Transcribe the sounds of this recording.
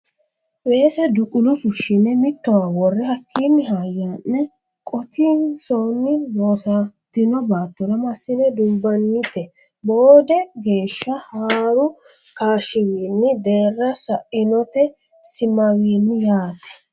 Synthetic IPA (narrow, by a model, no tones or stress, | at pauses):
weːsɐd̪ʊkʼʊlɔfʊʃːɪnːɛmɪt̪ːɔwawɔrːɛɦɐkʰːiːnːɪɦaːjːanːɛ | kʼɔt̪insonːɪloːsat̪ːɪnɔbaːt̪ːɔɾɐmɐsːɪnɛd̪ʊmbːɐnːɪt̪ɛ | boːd̪ɛɡe̞ːʃːɐhaːɾʊkaːʃɪwiːnːɪd̪e̞ːrːɐsɐʔɪnɔt̪ɛ | sɪmɐwiːnːɪjaːt̪ɛ̥